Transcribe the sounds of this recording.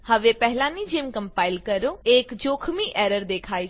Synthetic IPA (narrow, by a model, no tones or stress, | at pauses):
hɐʋepɛɦlãnid͡ʒeːmkə̃mpaːɪlkɐɾoeːkd͡ʒoːkʰmiʔɛːɾəɾd̪eːkʰaːi